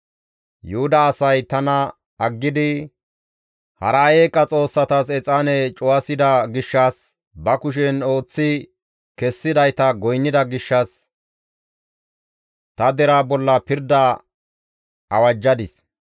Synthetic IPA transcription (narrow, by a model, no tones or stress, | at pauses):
jʊhʊd̪ɐːsɐjt̪ɐnɐ | ɐɡːɪd̪ɪ | hɐɾɐjeːkʼːɐt͡sʼo̞ːsːɐt̪ɐsɛt͡sʼːanɛt͡ʃʼʊwɐsɪd̪ɐɡɪʃːɐs | bɐkʊʃ̬ɛno̞ːt͡sːɪ | kɛsːɪd̪ɐjt̪ɐɡɔjnːɪd̪ɐɡɪʃːɐs | t̪ɐd̪ɛɾaːbɔlːɐpɪɾd̪ɐ | ɐwɐd͡ʒːɐd̪ɪs